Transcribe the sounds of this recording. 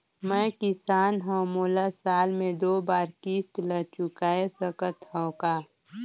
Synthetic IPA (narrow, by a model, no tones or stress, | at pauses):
mɛ̃kɪsaːnɦə̃moːlasaːlmẽd̪oːbaːɾkist̪lət͡ʃʊkaːesəkət̪ɦə̃ʊkaː